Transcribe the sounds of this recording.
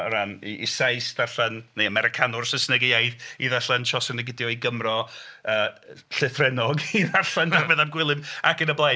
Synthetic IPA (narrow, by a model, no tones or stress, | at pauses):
əɾanḭʔːsajsdarɬɛnneəmɛɾɪkʰanʊrsəsnəɡɪajθiðaɬənʃɔsənəɡɪdjɔiɡəmrɔəːɬɨθrɛnɔɡiðaɬɛnbdarbɛðamɡwɪlˠɨmakənəblˠa